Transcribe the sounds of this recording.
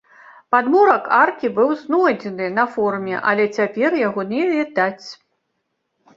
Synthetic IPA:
pad̪mɔɾɐkarkʲibɨwznɔjd͡zʲɛnɨnɐfɔrmʲɛ̰ʔɐ̰lʲɛt͡sʲapʲɛrjaɣɔnʲɛvʲɛd̪at͡sʲ

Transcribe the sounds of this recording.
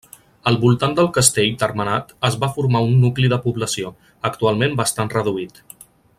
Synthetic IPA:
əlˠβulˠt̪and̪əlˠkəst̪eʎt̪ərmənat̪əzβafuɾmaunːukliðəpuβləsio | əkt̪ualˠmembəst̪anrəðuit̪

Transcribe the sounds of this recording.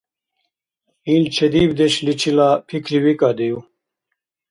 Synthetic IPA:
iːlt͡ɕʰed̪iːbd̪eɕlit͡ɕʰilaːpʰikʰɾiwikad̪eju

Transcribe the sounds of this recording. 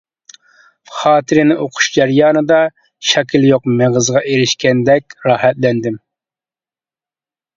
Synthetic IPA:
χɑːt̪ʰɪɾɪnɪʔoqʰʊ̥ʃd͡ʒɛɾjɑːnɨd̪ɑ | ʃɛkʲʰiljoqmeʁəzʁɑʔeɾɪʃkʲɛnd̪ɛkʲɾɑːhɛt̪lɛnd̪ɪm

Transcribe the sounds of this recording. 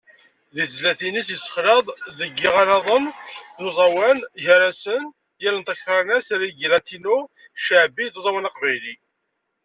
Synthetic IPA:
ðizlæθinisjəsə̥χlɑðˤðəɡːiʁaɾɑðˤənðuzˤɑwænʝəɾæsən | jælənt̪ækɾˤɑnæsɾiɡlæt̪inu | ʃəʕbiðzˤɑwænɑqvæjli

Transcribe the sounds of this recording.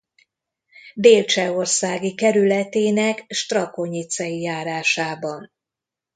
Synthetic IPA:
beːlt͡ʃɛo̞rsaːɡikɛɾylɛt̪eːnɛkʃt̪rɒko̞ɲit̪sɛjijaːɾaːʃaːbɒn

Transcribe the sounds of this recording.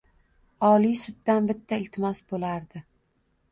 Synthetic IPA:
ɒlijsʊd̪ːanbɪt̪ʰːaɪlt̪ʰɪmɒsbolaɾd̪ɪ

